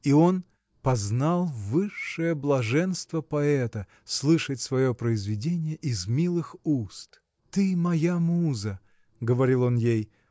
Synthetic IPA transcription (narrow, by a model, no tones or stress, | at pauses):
io̞n | pɐznalˠvɨʂːɨjəblˠɐʐɛnst̪vəpɐɛt̪ə | slˠɨʂətʲsvɐjo̞pɾəɪzvʲɪdʲenʲɪjəʔɪzmʲilˠɨxust̪ | t̪ɨmɐjamuzə | ɡəvɐɾʲilˠo̞njej